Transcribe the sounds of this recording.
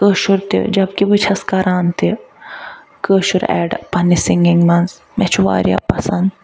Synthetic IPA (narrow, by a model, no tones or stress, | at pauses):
kəːʃuɾt̪ḭd͡ʒɐb̚kibɨt͡ʃʰɐskɐɾaːnt̪i | kəːʃuɾɛ̰ːɖpɐnisiŋɡɪŋmɐnz | mɛt͡ʃʰuʋa̰ːɾʲja̰pɐsɐnd̪